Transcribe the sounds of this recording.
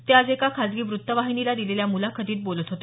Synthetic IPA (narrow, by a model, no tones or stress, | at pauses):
t̪ead͡zekakʰad͡zɡiːʋɾut̪ːəʋaɦinilad̪ileljamulakʰəd̪iːt̪̚bolət̪ɦot̪e